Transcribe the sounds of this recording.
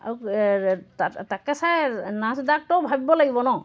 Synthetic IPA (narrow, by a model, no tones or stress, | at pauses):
a̰wktatakːasanãsd̪ak̚ʈowbʱabibolaɡibɔnɔ